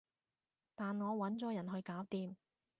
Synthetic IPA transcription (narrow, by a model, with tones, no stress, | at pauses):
t̪aː˨nŋɔː˨˧wɐ˨˥nt͡sɔː˨˥jɐ˨˩nɦɵ˧ɥkaː˨˥wt̪iː˨m